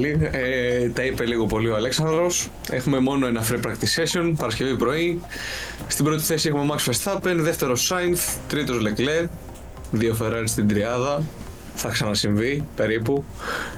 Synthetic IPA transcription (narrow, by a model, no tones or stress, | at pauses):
liet̪ɐipe̞liɣo̞po̞lioɐleksɐnd̪ɾo̞s | e̞xume̞mo̞no̞e̞nɐfɾipɾɐkt̪isesio̞npɐɾɐsce̞vipɾo̞i | st̪ibɾo̞t̪i̥θe̞siexume̞mɐksfest̪θɐpe̞nðeft̪e̞ɾo̞sɐjnθt̪ɾit̪o̞zle̞kle | ðiofe̞ɾɐɾist̪ind̪ɾiɐðɐ | θɐksɐnɐsiɱvipe̞ɾipu